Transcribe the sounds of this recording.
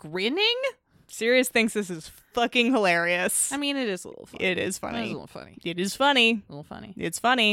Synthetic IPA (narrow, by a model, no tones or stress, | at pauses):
ɡ̥ɹɪ̃nɪ̃ŋ | sɪɹiɨsθɪ̃ŋsðɪs̬ɨz̥ | fʌkɪ̃ŋhəlɛɹiɨsaɪmĩnɨɾɨzəl̰ɪ̰l̩ˠfʌɪɾɪ̰z̥fʌ̰nḭlɪ̰l̩ˠfʌ̰nḭɨɾɨz̥fʌnilɪ̰ɾl̩ˠfʌ̰nḭɪ̰tsfʌni